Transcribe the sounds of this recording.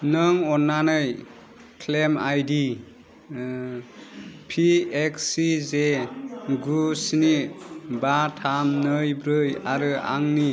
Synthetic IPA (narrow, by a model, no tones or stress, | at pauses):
nɯŋɔnːanɯj | kʰlemajdi | pʰieksize | ɡusinibatʰamnɯjbɾɯja̰ɾɯa̰ŋni